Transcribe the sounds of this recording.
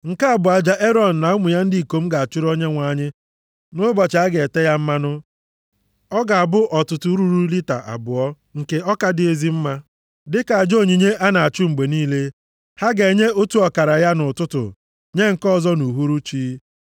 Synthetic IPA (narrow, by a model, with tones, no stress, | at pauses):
ŋ̩˨ka˦a˦˨bʊ˨a˨d͡ʒa˦ʔe˦ɾɔ˨n̩˨na˨ʊ˦mʊ˨ja˦n̩˦di˨i˨ko˨˦m̩˦ɡa˨a˨t͡ʃʊ˦ɾo˦ɲe˦ŋʷa˨˦˨ɲɪ˦ | nʊ˦bɔ˨t͡ʃa˦ɡe˨te˦ja˦m̩˦ma˦nʊ˦ | ɔ˦ɡa˨a˨bʊ˦ʔɔ˨tʊ˨tʊ˦ɾu˦ɾu˦li˦ta̰˨ʔa̰˨bʊ˨ɔ˦ | ŋ̩˨ke˨ɔ˦ka˨dɪ˨e˦zi˦m̩˦ma˦ | dɪ˦ka˨a˨d͡ʒo˦˨ɲi˨ɲe˦ʔa˦na˨a˨t͡ʃʊ˦ŋ͡m̩˨ɡ͡be˨niː˦le˦ | ha˦ɡe˨ɲe˦o˦tu˦ɔ˨ka˨ɾa˨ja˦nʊ˨tʊ˦tʊ̰˨ | ɲe˦ŋ̩˨kɔ˦zɔ˦nu˨ɦu˦ɾu˦t͡ʃiː˦